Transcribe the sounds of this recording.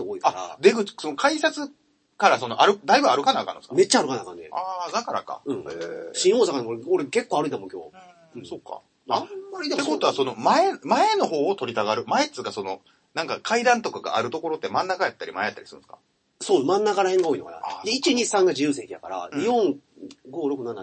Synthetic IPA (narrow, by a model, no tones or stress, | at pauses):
oːikaɾa̰d̪e̞ɡɯ̟t͡sso̞no̞kaisat͡sɨ | kaɾaso̞no̞ʔaɾɯ̟d̪aibɯaɾɯ̟kanakanːoskame̞t͡ɕːaɾɯ̟kanakãnːeaːd̪akaɾa̰ka̰ɯ̟̃ɴeɕĩɰ̃hoːsakanoɾeoɾeke̞kːoːaɾɯĩamokʲo̞̰ːɯ̃ | so̞kːa̰ | aːaɾʲit̪ekot̪o̞βaso̞no̞maemae̞no̞ɦo̞ːt̪o̞ɾʲit̪aɡaɾɯ̟maet͡sɨɡaso̞no̞ | nãŋkakʰaid̪ãnt̪okaɡa̰ʔaɾɯ̟t̪o̞ko̞ɾo̞t̪ːe̞mãnːakajat̪ːaɾʲḭmaejat̪ːa̰ɾi̥sɨɾɯ̟̃sɨ̥kḁ̰ | soːmãnːakaɾahẽŋɡaoːinoka̰na̰d̪eit͡ɕiɲ̟isãŋɡad͡ʑijɯːseik̪ʲij̪a̰kaɾa̰ɲijõ̞ŋɡo̞ːɾo̞kɯ̟nana̰